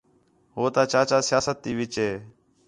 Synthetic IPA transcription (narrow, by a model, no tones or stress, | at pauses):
ɦoːt̪aːt͡ʃaːt͡ʃaːsɪjaːsət̪ːiːʋɪt͡ʃeː